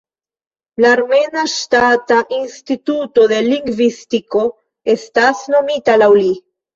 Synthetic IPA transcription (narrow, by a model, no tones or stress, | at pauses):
laːɾme̞naʃtataʔinstituto̞de̞liŋɡvistiko̞ | e̞stasno̞mitalawli